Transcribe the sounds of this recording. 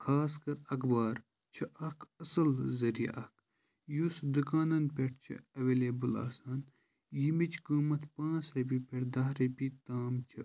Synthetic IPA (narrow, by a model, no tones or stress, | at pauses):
kʰaːskɐɾɐkbaːɾ | t͡ʃʰɐɐkʰɐsɐlzɐɾijɐ̰ʔɐkʰ | jusd̪ukaːnɐnpʲeʈt͡ʃʰḭɐʋeːleːbɨla̰ːsaːn | jimit͡ʃʰkuːmɐt̪pãːsɾɐp̬ipʲeʈd̪ɐɦɾɐpit̪aːmt͡ʃʰɐ